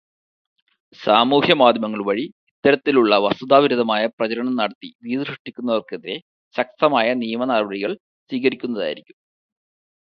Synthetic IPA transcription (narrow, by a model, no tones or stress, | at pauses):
saːmuːhjɐmaːd̪ʱjmɐŋːɐɭʋɐɻiit̪ːɐɾɐt̪ːiluɭːɐʋɐsud̪aːʋiɾuðɐmaːjɐprɐt͡ɕɐɾɐɳɐmnɐɽɐt̪ːid̪iːðɐʂɨʂʈːikʲːunːɐʋɐrkeðiɾe̞ | ɕɐk̚t̪ɐmaːjɐnijɐmɐnarbɐɽiɣɐɭ | swiːɣɐɾikʲːun̪ːɐða̰ːjiɾikʲːum